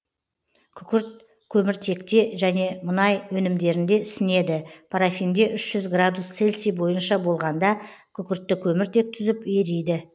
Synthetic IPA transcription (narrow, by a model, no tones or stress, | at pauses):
kʲʰʏkʲɪɾt̪̚ | kʲʰɵmɪɾt̪ʰe̞kt̪e̞ʒæne̞mənɑjwɵnɪmd̪e̞ɾɪnd̪e̞ʏsɪne̞d̪ɪpʰaɾafijmd̪e̞ʔʏʃʒ̥ʏzɡrad̪ust̪se̞lʲsijbo̞jənʃɑbo̞lˠʁɑnd̪ɑkʲʰʏkʲɪɾt̪ːɪkʲʰɵmɪɾt̪ʰe̞k̚t̪ʰʏzɪpjeɾejd̪ɪ